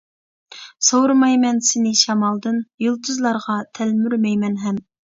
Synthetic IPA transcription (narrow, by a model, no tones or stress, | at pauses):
sowɾmɑjmɛnsɪnɪʃɑmɑlˠd̪ɨnjolˠt̪ʰɨzlˠɑɾʁɑt̪ʰɛlmyɾmɛjmɛnɦɛm